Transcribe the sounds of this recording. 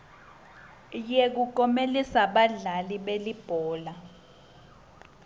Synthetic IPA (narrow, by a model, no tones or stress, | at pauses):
jek̬ukɔmelisaɓaɮaliɓelib̥ʱɔːla